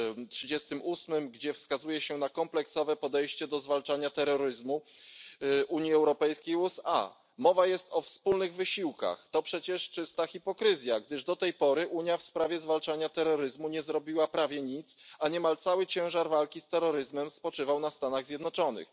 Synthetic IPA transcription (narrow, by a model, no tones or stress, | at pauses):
tʂɘd͡ʑɛst̪ɘmusmɘmɡd͡ʑɛfskazujɛɕɛnakɔmplɛksɔvɛpɔd̪ɛjɕt͡ɕɛd̪ɔzvalt͡ʂaɲat̪ɛɾːɔɾɘzmu | ʔuɲjiɛwɾɔpɛjskʲejusa̰ | mɔvajɛst̪ɔfspulnɘɣvɘɕiwka̰xt̪ɔpʂɛt͡ɕɛʂt͡ʂɘst̪axʲipɔkɾɘzʲjaɡd̪ɘʐd̪ɔt̪ɛjpɔɾɘʔuɲjafspɾavʲjɛzvalt͡ʂaɲat̪ɛɾːɔɾɘzmuɲɛzɾɔbʲiwapɾavʲjɛɲit̪saɲɛmalt̪sawɘt͡ɕɛ̃w̃ʐaɾvalkʲist̪ɛɾːɔɾɘzmɛmspɔt͡ʂɘvawnast̪anaɣzʲjɛd̪nɔt͡ʂɔnɘ̰x